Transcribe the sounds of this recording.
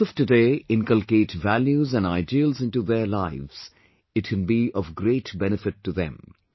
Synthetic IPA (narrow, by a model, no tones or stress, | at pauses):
ɔfʈɨdeːɪ̃nkəlkeːʈʋæljuzæ̃nɖaɪdiəlzɪ̃nʈuðeɾlaɪʋz̥ | ɪʈkɛ̃nbiʔɔvɡɾeːʈbɛnɨfɪʈːuðɛ̰̃m